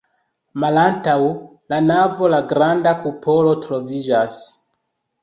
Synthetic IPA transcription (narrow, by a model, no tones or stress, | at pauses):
malantaw | lanavo̞laɡɾandakupo̞lo̞tɾo̞vid͡ʒas